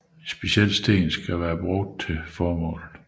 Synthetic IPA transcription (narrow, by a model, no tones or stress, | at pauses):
isb̥e̝ɕel̰sd̥e̝̰ːnsɡ̥æʋæːɐb̥ʁɔ̽ɡ̥̚d̥̚t͡sʰe̝fɒːmɔ̰̽ːlð̩ˠ